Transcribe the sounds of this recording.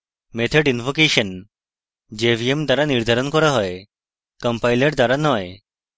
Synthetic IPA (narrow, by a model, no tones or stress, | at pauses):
met̪ʰeɖinʋokeɕən | d͡ʑeʋiemd̪aɾaniɾd̪ʱaɾɔnkɔɾaɦɔe | kəmpajleʈd̪aɾanɔj